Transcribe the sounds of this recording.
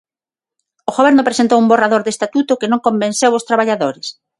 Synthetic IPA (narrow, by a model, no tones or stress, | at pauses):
ʊɣoβɛɾnʊpɾesent̪owumboraðoɾðest̪at̪ut̪ʊkɪnõŋkombẽnsewost̪ɾaβaʎaðoɾɪs